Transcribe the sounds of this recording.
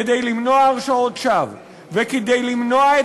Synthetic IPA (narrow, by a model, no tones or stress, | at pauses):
ed̪ejlimno̞aːʁʃaotʃav | veked̪ejlimno̞ae